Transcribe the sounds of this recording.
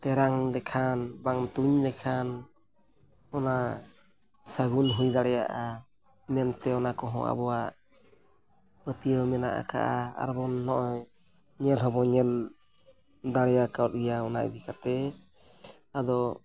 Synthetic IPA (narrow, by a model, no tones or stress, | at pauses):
t̪ɛɾaŋlɛkʰanbaŋt̪uɲlɛkʰan | ɔna | səɡunɦujd̪aɽɛjaʔa | mɛnt̪ɛɔnakɔɦɔ̰̃ʔa̰bɔwaʔ | pət̪ijəmɛna̰ʔa̰ka̰ʔaa̰ɾbɔnːɔʔɔj | ɲɛlɦɔbɔɲɛl | d̪aɽɛjakawt̪̚ijaɔnaʔd̪ikat̪ɛ | ad̪ɔ